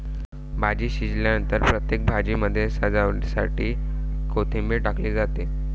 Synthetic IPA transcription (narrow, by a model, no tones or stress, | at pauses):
bʱad͡ʑiːɕid͡ʑljanənt̪əɾpɾət̪jek̚bʱad͡ʑiːməd̪ʱːjesad͡zaʋsa̰ʈiːkot̪ʰimbeʈakliːd͡zat̪e